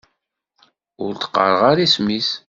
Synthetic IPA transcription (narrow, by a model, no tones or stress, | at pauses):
ʊ̰ɾt̪ə̥qːə̰ɾˤəʁaɾismis